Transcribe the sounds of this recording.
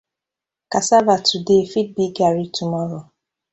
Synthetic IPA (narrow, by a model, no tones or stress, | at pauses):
kasavatʰudefid̚biɡaɾitumɔɾo